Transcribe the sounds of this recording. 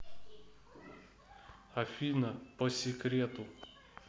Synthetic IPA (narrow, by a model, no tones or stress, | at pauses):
ɐfʲiːnɐposʲɪkɾʲeːt̪u